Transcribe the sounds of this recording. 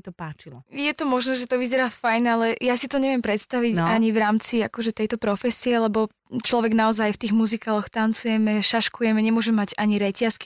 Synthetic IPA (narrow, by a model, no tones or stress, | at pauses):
it̪ɔpaːt͡ʃilɔjɛt̪ɔmɔʒnɔʒɛt̪ɔʋizɛɾaːfajnalɛjasit̪ɔɲɛʋɪɛmpɾɛt̪st̪aʋiɟaɲivɾaːmt͡siakɔʒɛt̪ɛjt̪ɔpɾɔfɛsiɛlɛbɔ | t͡ʃlɔʋɛɡnaɔzajft̪iːɣmuzikaːlɔxt̪ant͡sujɛmɛʃaʃkujɛmɛɲɛmʊɔʒɛmɛmaɟaɲiɾɛcaski̥